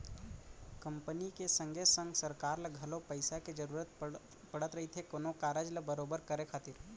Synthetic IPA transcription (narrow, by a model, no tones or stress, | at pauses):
kɐ̃mpənikesɐ̃ŋɡʱesə̃ŋɡsɐɾkaːɾlɐɡʱɐlopɐɪsaked͡ʒɐɾuːɾət̪̚ | pɐɽət̪ɾɐɦit̪ʰekonokaːɾəd͡ʒləbəɾoːbəɾkɐɾekʰaːt̪iɾ